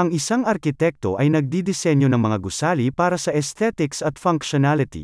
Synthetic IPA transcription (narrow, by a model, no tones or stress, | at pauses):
ɐŋɪsaŋɐɾkɪt̪ɛk̚t̪o̞̰ʔɐjnɐɡ̚d̪id̪ɪsɛnjonɐŋmɐŋaɡʊsaːlipaːɾɐsɐʔɛst̪ɛt̪ɪksɐt̪fɐŋkʃonalɪt̪ḭ